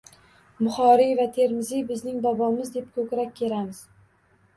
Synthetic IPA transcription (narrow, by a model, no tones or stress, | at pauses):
mʊχɒɾijvat̪ʰe̞ɾmɪzɪbɪznɪŋbɒbɒmɪzd̪e̞p̚kʰɵkʲɾakʲʰːe̞lamɪz̥